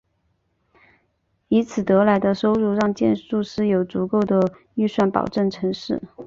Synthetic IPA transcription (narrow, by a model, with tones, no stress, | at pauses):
i˧˥t͡sʰɹ̩˨˩t̪ɤ˧˥la˧˥ɪd̪ə˧ʂo˥ʊɻu˥˧ɻɑ˥˧ŋt͡ɕjɛ˥˧nʂu˥˧ʂɻ̩˥˩jo˨˩ʊt͡su˧˥ko˥˩ʊd̪ə˩ | y˥˧swa˥˩npɑ̰˨˩ʊʈ͡ʂə˥˩ŋʈ͡ʂʰɤ˧˥ŋʂɻ̩˥˩